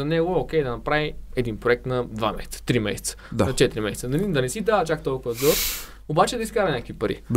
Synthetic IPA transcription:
ɐnɛɡook̟ʲɛjd̪ɐnɐpɾaviɛd̪inpɾoɛk̚t̪nɐd̪vamɛ̰sɛ̥t̪ə̥t̪ɾimɛsɛ̥t̪sə̥d̪anɐt͡ʃɛt̪ɾimɛsɛ̥tsənɐlid̪ɐnɛsid̪aɐt͡ʃakt̪ɔlˠkʊvəzɡɔɾ | obat͡ʃɛd̪ɐiskaɾɐnʲakəkvipɐɾʔḭ

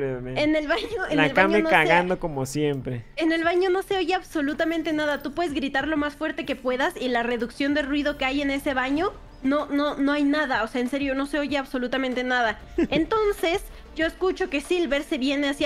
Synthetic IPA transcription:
eeenelβaɲoenelβamɲoenokaɣannd̪o̞ko̞mosje̞mpɾeene̞lβaɲo̞no̞se̞oʝeaβso̞lut̪amẽnt̪e̞naðat̪upwe̞ðe̞zɣɾit̪aɾlo̞masfwe̞ɾt̪e̞ke̞pwe̞ðasilare̞ðuksjo̞nd̪e̞rwið̞o̞keaje̞ne̞se̞βaɲo̞ | nono̞no̞ajnaðaoseaense̞ɾjo̞no̞se̞oʝeaβso̞lut̪amẽnt̪e̞naða | ent̪o̞nse̞s | ɟ͡ʝo̞eskut͡ʃo̞ke̞silβe̞ɾse̞βje̞neas

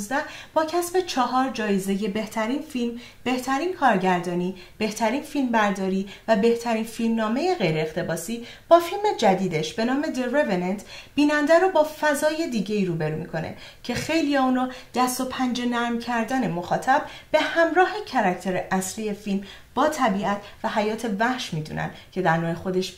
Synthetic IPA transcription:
zd̪æb̥ɒːcʰæsbe̞t͡ʃʰɒːɦɒːɾd͡ʒɒːjeze̞je̞be̞ht̪ʰæɾiːnfilm | be̞ht̪ʰæɾiːnkʰɒːɾɟæɾd̪ɒːniː | b̥e̞ht̪ʰæɾiːnfilmbæɾd̪ɒːɾiːvæbe̞ht̪ʰæɾiːnfilmnɒːme̞je̞ɣe̞jɾeext̪ʰe̞bɒːsiː | b̥ɒːfilme̞d͡ʒæd̪iːd̪e̞ʃb̥e̞nɒːme̞d̪erevenent̪ʰb̥iːnænd̪æɾobɒːfæzɒːje̞d̪iːɟe̞iːɾuːbe̞ɾuːmikʰo̞nḛcʰe̞xe̞jlijɒːuːnɒːd̪̥æst̪opʰænd͡ʒe̞næɾmcʰæɾd̪æne̞moxɒːt̪ʰæb̚be̞hæmɾɒːhe̞cʰæɾæcʰt̪ʰe̞ɾeʔæsliːe̞film | b̥ɒːt̪ʰæbiːæt̪ʰvæɦæjɒːt̪ʰe̞væhʃmiːd̪ṵːnʔæ̰nd̪cʰe̞d̪æɾnoːjexo̞d̪e̞ʃ

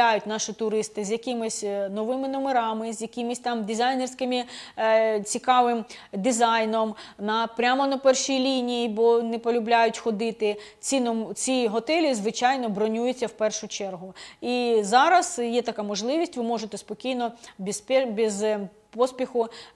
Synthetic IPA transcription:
ajʊtʲnɑʃɪt̪ʊɾɪst̪ɪzʲjɐkɪmɪsʲnɔʋɪmɪnɔmeɾɑmɪzʲjɐkʲɪmɪsʲt̪ɑmdʲizɑjnersʲkɪmɪ | t͡sʲikɑʋɪmd̪izɑjnɔmnɐpɾʲamɔnɐpɛrʃijlʲinʲijibɔnɛpɔlʲʊblʲajʊtʲxɔd̪ɪt̪ɪ | t͡sʲinɔmt͡sʲiɦɔt̪ɛlʲizʋɪt͡ʃɑjnɔbɾɔnʲujʊt͡sʲːɐwpɛrʃʊt͡ʃɛrɦʊizɑɾɐzjɛt̪ɐkamɔʒlˠɪʋʲisʲtʲʋɪmɔʒet̪ɛspɔkʲijnɔbʲispʲɛbʲiz | pɔspʲixʊ

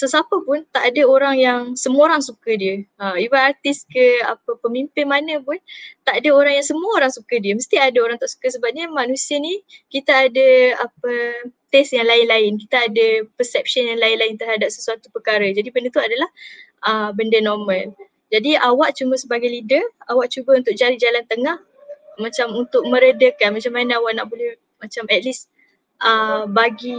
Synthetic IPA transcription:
səsapəpʊnt̪aʔadəoɾaŋjaŋsəməoɾaŋsukədiəəibaart̪iskəapəpəmimpɪnmanə̃pʊnt̪aʔadəoɾaŋjaŋsəmuəoɾaŋsukədiəməst̪iadəoɾaŋt̪aʔsu̥kəsəbap̚ɲəmanũsiənikit̪aːdəapət̪ɛsjaŋlaɪnlaɪnk̬it̪aːdəpəsɛp̚ʃənjaŋlaɪnlaɪnt̪ərhadap̚səsuat̪upərkaɾəd͡ʒadibəndət̪uadalahʔəbəndənɔrmə̃l | d͡ʒadiawaʔt͡ʃuməsəbaɡajlidəawaʔt͡ʃubəunt̪ʊk̚d͡ʒaɾid͡ʒalant̪əŋah | mat͡ʃamunt̪ʊk̚mə̃ɾədəkanmat͡ʃamːanaawaʔnaʔbolɛh | mat͡ʃamɛt̪̚lis | ʔəbaɡi

